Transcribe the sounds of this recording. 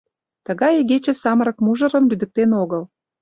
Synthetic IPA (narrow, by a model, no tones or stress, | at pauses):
t̪ə̆ɣɑjeɣet͡ɕĕsɑməɾə̆kmuʒə̆ɾə̆mlyd̪ə̆k̚t̪enoɣəl